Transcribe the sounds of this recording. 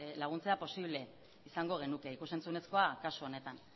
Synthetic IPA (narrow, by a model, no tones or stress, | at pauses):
laɣ̞unt͡se̞apo̞siβle̞ | isaŋɡo̞ɣ̞e̞nuke̞ikuse̞nt͡sune̞sko̞akasuone̞t̪an